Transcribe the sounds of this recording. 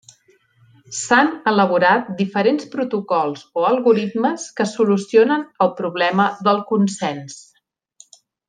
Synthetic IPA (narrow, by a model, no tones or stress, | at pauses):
sanələβ̞uɾat̪̚d̪ifəɾenspɾut̪ukɔlˠzoəlˠɣuɾit̪məskəsulusionənəlˠpɾuβlɛməðəlˠkunsɛns